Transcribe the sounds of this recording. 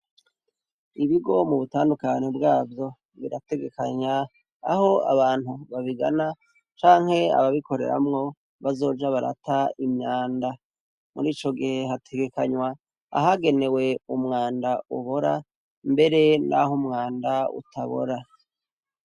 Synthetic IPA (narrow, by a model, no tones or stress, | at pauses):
iβiɡo̞muβutaːndukaɲebɡaːvjo̞ | βiɾate̞ɡe̞kaɲaː | ho̞a̰βaːn̥huβaβiɡa̰na | t͡ʃaːŋhe̞a̰βaβiko̞ɾe̞̰ɾa̰mŋo̞ | βazo̞ːd͡ʒaβaɾa̰taimɲaːnda | muɾiːt͡ʃo̞ɡihe̞hatʰe̞ɡe̞kaɲwa | a̰ɦaɡe̞ne̞we̞umŋaːndauβo̞ɾa | mbe̞ɾe̞nʔa̰ɦumŋaːndaṵtʰaβo̞̰ɾa